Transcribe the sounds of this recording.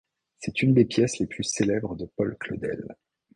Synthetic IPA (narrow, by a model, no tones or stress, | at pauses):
sɛt̪ynd̪epjɛsleplyselɛbʁəd̪əpɔlklo̰d̪ɛ̰l